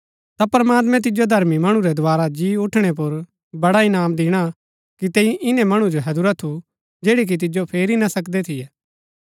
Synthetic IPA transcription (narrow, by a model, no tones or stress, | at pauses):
t̪apɾɐmaːt̪̬mɛ̃t̪̬ɪd͡ʒod̪ʱɐɾmimɐɽ̃ũɾɛd̪ʊaːɾad͡ʒiːʊʈʰɽ̃ɛp̬ʊɾ | bɐɽaɪnaːmd̪ɪːɽ̃a | kit̪ɛ̃ːĩʔɪnɛ̃mɐɽ̃ũd͡ʒoɦɐd̪uɾat̪ʰu | d͡ʒeːɽik̬it̪̬ɪd͡ʒopʰeːɾinasɐkd̪ɛt̪ʰɪjɛː